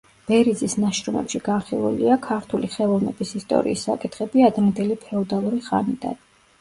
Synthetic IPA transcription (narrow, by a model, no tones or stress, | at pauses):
b̥ɛɾid̪zisnaʃɾɔmɛ̰pʃiɡanχilˠṵliakʰaɾt̪ʰuliχɛlˠɔvnɛbisist̪ʼɔ̰ɾḭːsːa̰kʼit̪ʰχɛbiad̪ɾɛnd̪ɛlipʰɛɔd̪alˠuɾiχa̰nid̪a̰n